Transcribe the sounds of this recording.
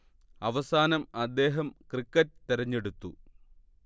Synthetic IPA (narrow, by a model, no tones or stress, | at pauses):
ɐʋɐsaːnɐmɐd̪ːe̞ːɦɐmkrikːɐtːt̪iɾɐɲːe̞ɽut̪ːu